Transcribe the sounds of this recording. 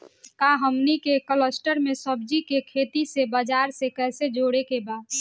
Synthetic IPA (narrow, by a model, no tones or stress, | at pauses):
kaɦəmnikekələsʈəɾmẽsəbd͡ʒikekʰeːt̪isebəd͡ʒaːɾsekɛɦsed͡ʒoɽekebaːd̪